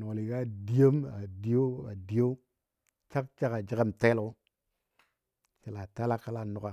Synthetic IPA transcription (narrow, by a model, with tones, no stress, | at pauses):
no˨o˨li˨ka˦˨di˦jo˦ma̰˨di˦o˦a̰˨di˨jo˦ | t͡ʃa˦kt͡ʃa˦ka˨d͡ʒi˦ɡa˦mte˦lku˦ | t͡ʃe˨la˨ta˦la˦kːa˦la˦nu˨ka˨